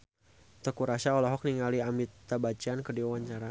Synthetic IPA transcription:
t̪ɔkuɾasaɔlɔɦɔk̚niŋaliamit̪abat͡ʃiankədiwawaɲt͡ʃaɾa

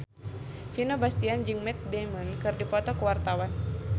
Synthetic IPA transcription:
finobast̪iand͡ʒɨŋmɛt̪̚dɛmɔnkɨrdipɔt̪ɔkəwart̪awan

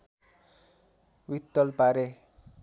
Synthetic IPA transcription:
wit̪ːʌlpaɾe

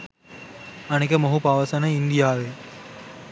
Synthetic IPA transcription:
ɐnɐkːɐmɐɦupaʋɐsɐnɐɪnd̪ɪjaːʋeː

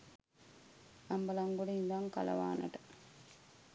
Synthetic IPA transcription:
ɐmbɐlaŋɡuɽeiŋɡaŋkɐ̰lɐ̰ʋa̰ːnɐ̰ʈɐ̥

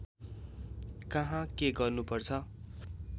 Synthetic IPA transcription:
kʌɦãkeɡʌrnupʌrt͡sʰʌ

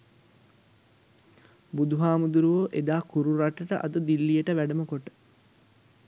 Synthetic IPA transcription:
bud̪uɦaːmud̪uɾuʋoːʔed̪aːkuɾuɾaʈəʈəʔa̰d̪əd̪ilːijəʈəʋæɖəməkoʈə̥

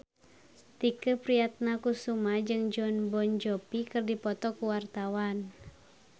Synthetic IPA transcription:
t̪ikəpɾiat̪̚nakusumad͡ʒɨŋd͡ʒɔnbɔnd͡ʒɔpikɨrdipɔt̪ɔkuwart̪awan

